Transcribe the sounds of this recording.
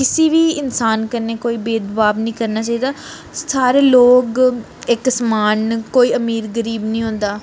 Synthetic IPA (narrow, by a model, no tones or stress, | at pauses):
kɪsiːʋiːɪnsaːnkəɾneːkoːiːbeːd̪baːbnĩːkəɾnaːt͡ʃaːiːd̪aː | saːɾeːloːk | ɪksəmaːnkoːiːəmiːɾɡəɾiːbnĩːɦõːnd̪aː